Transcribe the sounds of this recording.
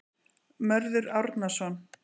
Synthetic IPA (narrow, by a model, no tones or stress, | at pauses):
mœɾðʏɾawɾt̪nasɔn